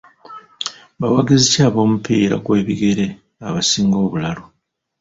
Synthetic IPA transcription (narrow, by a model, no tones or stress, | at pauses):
bawaɡizicaːβo̞ːmupiːɾa̰kwe̞ːβiɡe̞ɾe̞ | aβasiːŋɡo̞ːβulalo